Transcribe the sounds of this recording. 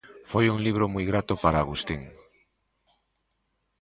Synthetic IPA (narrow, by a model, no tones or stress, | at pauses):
fojuŋliβ̞ɾomujɣɾat̪opaɾaːɣust̪iŋ